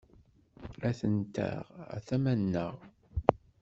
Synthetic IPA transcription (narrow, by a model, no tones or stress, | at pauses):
æθənt̪æ̰ʁæ̰θæmænːəʁ